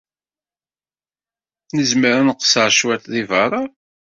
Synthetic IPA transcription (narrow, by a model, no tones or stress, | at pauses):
nəzməɾanəqːə̥səʕʃwæt̪ðivɑɾˤɑ